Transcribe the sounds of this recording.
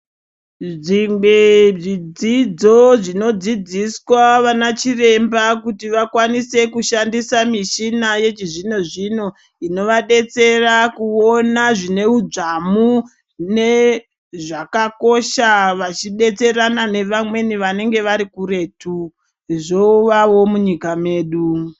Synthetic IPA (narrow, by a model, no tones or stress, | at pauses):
ʐimbeʐid͡zid͡zo̞ʐino̞d͡zid͡ziswaʋanat͡ʃire̞mbakutiʋakwanise̞kuʃandisamiʃinajet͡ʃiʐino̞ʐino̞ | ino̞ʋaɗe̞t͡se̞rakuo̞naʐine̞ud͡ʐamu | ne̞ | ʐakako̞ʃaʋat͡ʃiɗe̞t͡se̞ranane̞ʋamwe̞niʋane̞ŋɡe̞ʋaɾikuɾe̞tu | ʐo̞uʋaʋo̞muɲikame̞ːɗu